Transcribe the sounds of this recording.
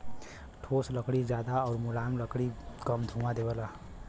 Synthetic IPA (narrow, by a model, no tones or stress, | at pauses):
ʈʰoːsləkɽizjaːd̪aɔːɾmʊlaːmləkɽikəmd̪ʱũmad̪eːbəlaː